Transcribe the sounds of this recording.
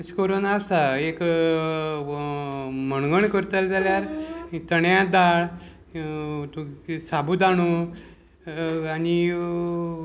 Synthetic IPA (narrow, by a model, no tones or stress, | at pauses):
skoɾonasaek | məɳɡəɳkəɾt̪əld͡zaljaɾt̪əɳjãd̪aɭ | t̪usabud̪aɽ̃u | ani